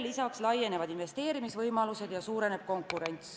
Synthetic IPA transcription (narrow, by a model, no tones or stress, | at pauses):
lːisɑkslɑje̞ne̞vɑd̪̥inve̞st̪e̞ːɾimisvɤjmɑluse̞d̪̥jɑsuːɾe̞ne̞b̥̚ko̞ŋkːˑuɾe̞nʲt̪s